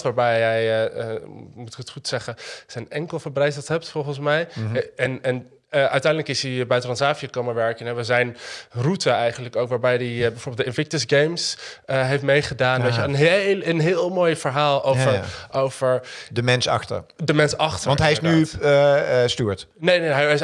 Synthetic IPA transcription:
tʋaːɹbɛjɛjəmutɪ̥kətχutsɛχəsənɛŋkəlˠfəɹbrɛjs̬lˠtɦɛp̚tfɔlˠχənsmɛjɛnɛn | ʔœɥtɛjndələkɪsibɛjtrɑnsaːfiəkowməʋɛɹkənɛʋəzɛjnrutəɛjχəndləkowkʋaːɹbɛjdibɛjvoːɹbɪlˠdəɪnvɪk̚təsɡejmsəɦejftmejχədaːndɔjəənɦelənɦɪːlˠmoːjfəɹɦaːlˠowvəʔowvəɹdəmɛnsɑ̰xtə̰dəmɛnsɑχtəʋɑntɦɛjɪsny | styːɹtnejneɦjs

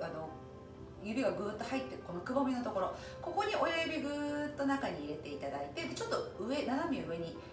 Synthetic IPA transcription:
ano̞ | jɯ̟ɾɯɡaɡɯ̟ːt̪ːo̞hait̪ːe̞ko̞nokɯ̟bo̞mʲino̞t̪o̞ko̞ɾo̞ | ko̞ko̞ɲ̟iʔo̞jajɯbʲiɡɯːt̪ːo̞nakaɲ̟iːɾe̞t̪e̞it̪ad̪ait̪e̞d̪e̞t͡ɕo̞t̪ːo̞ɯ̟e̞nanamʲiɯ̟e̞ɲ̟i

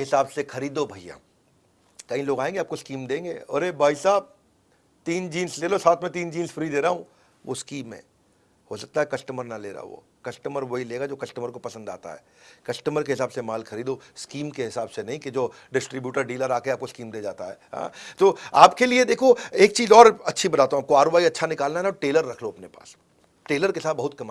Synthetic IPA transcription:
ɦɪsaːbsexɐɾiːd̪obʱɐijã̰ː | kɐɦĩloːɡaːẽːŋɡeaːp̚koskiːmd̪ẽːŋɡḛːɔ̰ːɾebaːisaːb̚ | t̪iːnd͡ʒiːnsleːlosaːt̪ʰmɛ̃t̪̬iːnd͡ʒiːnsfɾid̪eːɾaɦũ | ʋo̰skiːmːḛ̃ː | hosɐk̚t̪aɦɛkɐsʈəməɾnɐleːɾa̰ʋo̰ː | kɐsʈəməɾʋoɦileːɡad͡ʒoːkɐsʈəməɾkopɐsə̃nd̪a̰ːt̪a̰ɦɛ̰ːkɐsʈəməɾkeɦɪsaːbsemaːlxʰɐɾiːd̪oskiːmkeɦɪsaːbsenɐɦĩked͡ʒoː | ɖɪsʈɾibjuːʈəɾɖiːləɾaːkeaːpkoskiːmd̪eːd͡ʒaːt̪aɦɛːɦã̰ːt̪oːaːpkelied̪eːkʰoeːk̚t͡ʃiːzɔːɾɐtːʃʰibɐt̪aːt̪eɦũaːp̚koaːɾobaːiɐtːʃʰanɪkaːlnaɦɛnaʈeːləɾːɐkʰloɐpnepa̰ːs | ʈeːləɾkesaːt̪̚bɐɦʊt̪̚kɐma

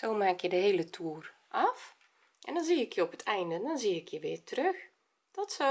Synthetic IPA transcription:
soːmaːkjədəɦeːlətʰuər | ʔɑf | ʔɛ̰ndɔnziːɪkjəɔpətʰɛjndəndɔnziːɪkʰjəʋɪːrtərøx | d̥ɔtsɔ

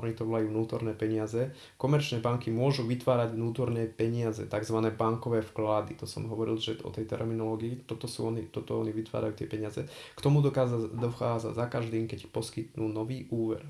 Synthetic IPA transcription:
ɔɲit̪ɔʋɔlajuːʋnuːt̪ɔɾnɛːpɛɲɪazɛ | kɔmɛɾt͡ʃnɛːbaŋkimʊɔʒuʋit̪ʋaːɾaɟʋnuːt̪ɔɾnɛːpɛɲɪazɛ̰t̪aɡzʋanɛːbaŋkɔʋɛːfklad̪it̪ɔsɔmɦɔʋɔɾḭlʒɛɔ̰t̪ɛjt̪ɛ̰ɾminɔlɔːɡiit̪ɔt̪ɔsṵːɔnit̪ɔt̪ɔɔniʋit̪ʋa̰ːɾajuːt̪ɪɛpɛɲɪazɛkt̪ɔmud̪ɔkaad̪ɔxaːd͡za̰ɟzakaʒd̪iːmkɛcpɔskit̪nuːnɔʋiːʔuːʋɛ̰ɾ

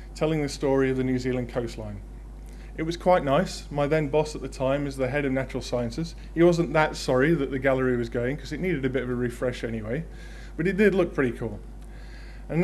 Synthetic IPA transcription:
tʰɛlˠɪ̃ŋðɨstɔɹiʌvðɨnjʉzilˠə̃nkʰoʊstˡlã̰ɪ̃n | ɨt̚wʌz̥kʰw̥aɪʔⁿnaɪs | maɪðɛ̃nbɒsət̪̚ðɨtʰãɪ̃mɨzðɨɦɛɾʌvnat͡ʃɹl̩ˠsaɪɨ̃nsɨz̥ | iwɒzə̃nðətsɒɹiðɨʔ̪̚ðɨɡalˠəɹiwʌzɡoʊɪ̃ŋkʰʌzɨʔⁿniɾɨɾɨbɪɾʌvəɹɨfɹɛʃɛñiweɪ | b̥ʌɾɨd̥ɪdˡlʊk̚pʰɹ̥ɪɾikʰulˠ | ə̃n

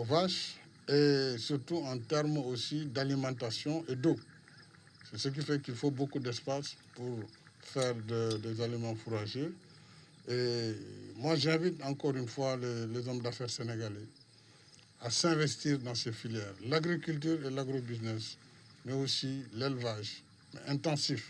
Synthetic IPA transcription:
vaʃ | esyʁt̪uɑ̃t̪ɛʁmosid̪alimɑ̃t̪asjɔ̃ʔed̪o | sɛsək̬ifɛkilfobokud̪ɛspaspuʁ | fɛʁd̪əd̪ezalimɑ̃fuɾaʒø | e | mwaʒɛ̃vit̪ɑ̃kɔʁynfwalelezɔmd̪afɛʁseneɡale | asɛ̃vɛst̪iʁd̪ɑ̃sefiljɛːʁlaɡɾikylt̪̬yːʁelaɡɾobiznɛs | mɛosilɛlvaʒ | mɛ̰ʔɛ̃t̪ɑ̃sif

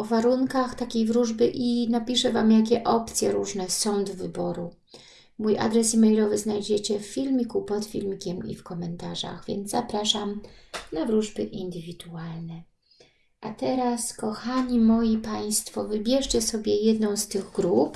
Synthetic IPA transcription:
ɔvaɾunkaxt̪akʲejvɾuʐbɘʔinapʲiʂɛvamjak̬ʲɛʔɔpt̪sʲjɛɾuʐnɛsɔ̃w̃d̪ɔvɘbɔɾu | mujʔa̰d̪ɾɛsimɛjlɔvɘznajd͡ʑet͡ɕɛffʲilmʲikupɔt̪fʲilmʲikʲɛmḭfkɔmɛnt̪aʐa̰ɣvʲjɛ̰nd̪zzapɾaʂamnavɾuʐbɘʔind̪ɘvʲid̪ualnɛ | ʔat̪ɛɾaskɔxaɲimɔjipaj̃st̪fɔvɘbʲjɛʂt͡ɕɛsɔbʲjɛjɛd̪nɔ̃w̃st̪ɘɣɡɾup

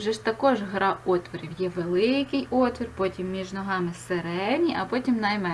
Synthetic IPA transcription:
ʒɛʃt̪ɐkɔʒɦɾɑɔt̪ʋɔɾʲiwjɛʋelˠɪkɪjɔt̪ʋʲirpɔtʲimːʲiʒnɔɦɑmɪseɾɛwnʲiʔɐpɔtʲimnɐjmɛ

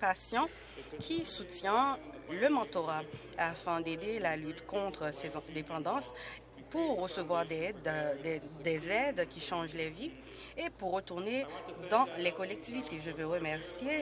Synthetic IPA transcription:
pasjɑ̃ | kʲʰisut̪jɛ̃ləmɑ̃t̪oʁa | afɛ̃d̪ed̪elalyt̪kɔ̃t̪χəsɛzɛ̃d̪epɑ̃d̪ɑ̃s | puʁːəsəvwaʁd̪ɛd̪ɛd̪ezɛd̪kʲiʃɑ̃ʒlevi | epuʁːət̪uʁned̪ɑ̃lekɔlɛk̚t̪ivit̪eʒəvøʁəmɛʁsje

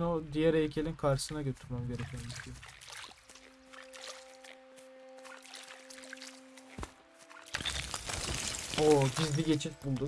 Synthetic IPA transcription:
nod̪ijæɾejcʰelʲinkʰaɾʃɯsɯnaɟø̞t̪ʰyɾmamɟeɾecʰemizɡʲib | obizbiɟe̞t͡ʃʰibulˠd̪u

